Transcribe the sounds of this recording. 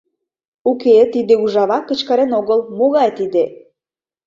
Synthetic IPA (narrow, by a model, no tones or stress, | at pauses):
uket̪id̪euʒɑβɑkːə̆t͡ɕkɑɾenoɣəlmoɣɑjt̪id̪e